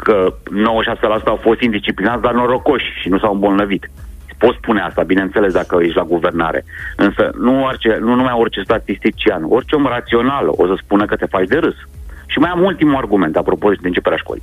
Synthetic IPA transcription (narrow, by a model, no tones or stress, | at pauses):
kəno̞wəʃaselasut̪aawfost̪ind̪ist͡ʃiplinat̪sd̪arnoɾo̞ko̞ʃʲʃinusawɨmbolnəvit̪spot̪spune̞ast̪abine̞nt̪se̞le̞sd̪akəjet͡ʃʲlaɡuve̞rna̰ɾḛɨnsə̰nuart͡ʃenunumajo̞rt͡ʃe̞st̪at̪ist̪it͡ʃiano̞rt͡ʃeomrat̪sio̞nal̰o̰səspunəkət̪e̞fat͡ʃd̪e̞ɾɨs | ʃimajamult̪imuarɡume̞nt̪apɾo̞pod̪ed̪ent͡ʃepeɾlaʃko̰li